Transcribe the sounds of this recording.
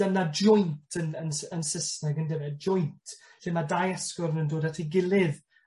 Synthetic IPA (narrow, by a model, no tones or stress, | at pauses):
ənad͡ʒɔjntʰənənənsəsnɛɡəndɛvɛd͡ʒɔjntʰ | ɬɪmadaːjɛskɔɾənəndoːdatʰiɡɪlˠɪð